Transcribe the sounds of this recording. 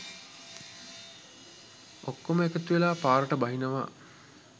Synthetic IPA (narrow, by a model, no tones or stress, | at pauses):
okːoməekət̪uʋelaːpaːɾəʈəbaɦinəʋa̰ː